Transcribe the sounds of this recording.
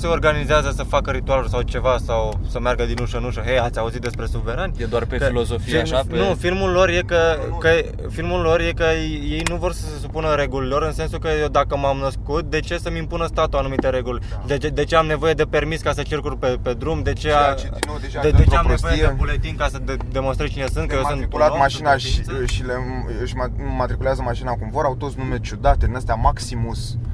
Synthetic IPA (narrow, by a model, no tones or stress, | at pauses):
se̞o̞rɡanizeazəsəfakəɾit̪ualulsawt͡ʃe̞vasawsəmeaɾɡəd̪inuʃəɨnuʃəɦejat̪sʲauzit̪̚d̪e̞spɾe̞suve̞ɾanʲjed̪oarpekilosofijnufilmulo̞rje̞kəkə | filmullːo̞rje̞kəje̞jnuvo̞rsə̥se̞supunəɾe̞ɡulilo̞ɾɨnse̞nsukəd̪akəmamnəskut̪̚d̪e̞t͡ʃe̞səmimpunəst̪at̪uanumit̪e̞ɾe̞ɡulʲ | d̪eed̪e̞t͡ʃe̞amne̞vo̞je̞d̪e̞pe̞rmiskasət͡ʃe̞rkurpe̞pe̞d̪ɾumd̪e̞t͡ʃe̞a | d̪eet͡ʃeamesvoteeiebulet̪iŋkasəd̪e̞mo̞nst̪ɾet͡ʃine̞sɨnt̪kəjesɨniulatmaʃinaʃiʃileɨʃmamat̪ɾikuleazəmaʃinakumvo̞ɾawt̪o̞t̪snumet͡ʃud̪at̪ed̪inəst̪eamaksimus